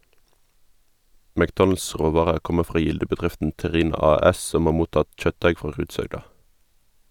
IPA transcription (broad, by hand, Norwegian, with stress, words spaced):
mækˈdɔnl̩s ˈʁoːʋɑːʁəʁ ˈkɔmə ˈfʁɑː ˈjɪldəbəˌdʁɪftn̩ tɛˈʁiːnɑ ˈɑːˌɛs ˈsɔm ˈhɑː ˈmuːtɑt ˈçœtˌdæɪ ˈfʁɑː ˈʁʉːdshœɡdɑ